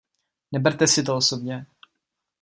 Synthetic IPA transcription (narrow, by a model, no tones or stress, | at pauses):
nɛbɛɾt̪ɛsɪt̪̬oosobɲɛ